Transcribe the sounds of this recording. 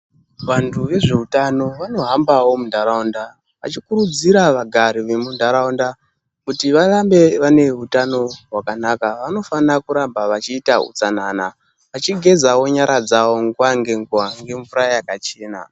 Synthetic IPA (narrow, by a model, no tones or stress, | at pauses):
ʋantʰuʋe̞ʐe̞utano̞ʋano̞ɦambawo̞mundʱaɾaunda | ʋat͡ʃikuɾud͡ziɾaʋaɡʱaɾiʋe̞mundʱaɾaunda | kutiʋarambe̞ʋane̞ɦutano̞rwakanakaʋano̞fanakuɾambaʋat͡ʃiːtaṵt͡sanana | ʋat͡ʃiɡʱe̞zawo̞ɲaɾad͡zawo̞ŋɡwaŋɡe̞ŋɡuwaŋɡe̞ɱvuɾajakat͡ʃe̞ːna̰